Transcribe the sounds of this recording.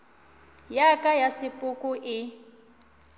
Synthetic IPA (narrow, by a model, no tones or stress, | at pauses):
jakʼajasɪpʼʊkʼʊʔɪ